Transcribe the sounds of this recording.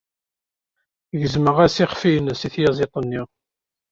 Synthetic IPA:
ʝəzməʁæsiχfinəsiθjɑzˤɪt̪ˤənːiʁ

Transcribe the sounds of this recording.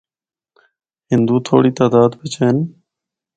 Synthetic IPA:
ɦɪnd̪uːt̪ʰo̰ːɽiːt̪aːd̪aːd̪bɪt͡ʃʰeːn

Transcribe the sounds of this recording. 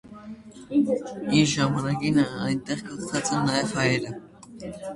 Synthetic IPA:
iɾʒɑmɑnɑkinəɑjnt̪ɛʁkɑt͡st̪ʰɑt͡sɛnnɑjɛvhɑjɛɾə

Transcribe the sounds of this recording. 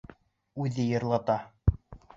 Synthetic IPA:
ʉðɘjɤ̆ɾlˠɑt̪ɑ

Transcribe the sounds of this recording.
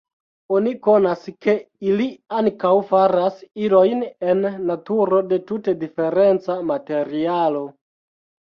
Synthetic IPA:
oniko̞naske̞iliaŋkawfaɾasilo̞jnenːatuɾo̞de̞tute̞dife̞ɾe̞nt͡samate̞ɾialo̞

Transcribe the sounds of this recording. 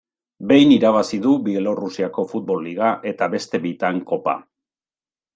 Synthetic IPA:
be̞jniɾaβ̞asiðubielo̞rusiako̞fut̪̚bo̞lːiɣ̞aʔe̞t̪aβe̞st̪e̞βejt̪aŋko̞pa̰

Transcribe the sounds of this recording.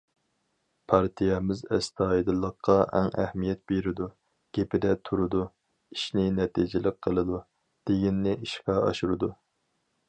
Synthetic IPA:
pʰɑɾt̪ʰijɛmɪzɛst̪ʰɑːid̪ɨlˠəqʰːɑɛ̰ŋæhmijɛt̪̚b̥eɾɪd̪u | ɡ̥ʲepɪd̪ɛt̪ʰuɾɨd̪u | iʃnɪnɛt̪ʰid͡ʒɪlɪk̚ʲqʰəlˠɨd̪u | d̪̥eɡʲinːɪiʃkɑɑ̰ʃuɾɨd̪u

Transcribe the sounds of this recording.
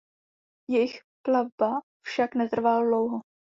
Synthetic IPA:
jɛjɪx | klavba | fʃaknɛt̪r̩valdlowɦo

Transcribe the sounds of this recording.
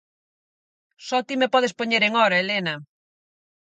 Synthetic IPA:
sɔt̪imepɔð̞espoɲeɾeŋɔɾɐelenɐ

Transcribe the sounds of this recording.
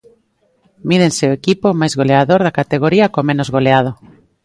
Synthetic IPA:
mið̞enseʊekipomajzɣoleaðoɾðakat̪eɣoɾiɐkomẽnozɣoleað̞o

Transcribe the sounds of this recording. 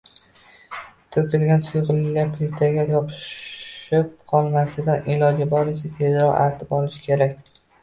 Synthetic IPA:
t̪ʰɵkʲʰɪlɡʲansʊjʁɨlɪɡʲapʰlɪst̪ʰaɡʲajɒpʰɪ̥ | ɪp̚qʰɒlˠmasɪd̪anʔɪlˠɒd͡ʒɪbɒɾɪʃɪt̪ʰe̞zɾɒqa̰ɾt̪ʰɪpɒlˠɪʃɪ̥kʲʰe̞ɾakʲ

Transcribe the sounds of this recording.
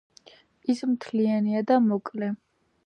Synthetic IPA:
ismt̪ʰlianiad̪amɔkʼlɛ

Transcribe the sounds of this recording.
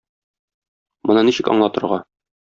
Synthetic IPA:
mɤ̆nɤniɕɘ̆kɒ̰ɴlˠɑt̪ɤ̆ɾʁɑ

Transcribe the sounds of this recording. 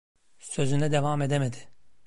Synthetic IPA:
sø̞zynɛd̪evaːme̞d̪emed̪ɪ̥

